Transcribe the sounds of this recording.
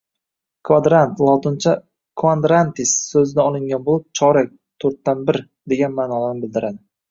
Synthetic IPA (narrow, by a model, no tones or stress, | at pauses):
kʰvad̪ɾant̪lˠɒt̪ʰɪnt͡ʃʰa | kʰvand̪ɾant̪ɪsːɵzɪd̪aɒlˠɪŋɡʲanbolˠɪp̚t͡ʃʰɒɾak̚ʲ | t̪ʰɵɾt̪ːanbɪɾ | d̪e̞ɡʲanmaːnɒlaɾnɪbɪld̪ɪɾad̪ɪ